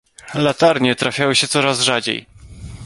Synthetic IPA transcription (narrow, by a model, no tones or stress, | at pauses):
lat̪aɾɲɛt̪ɾafʲjawɘɕɛt̪sɔɾazʐad͡ʑḛj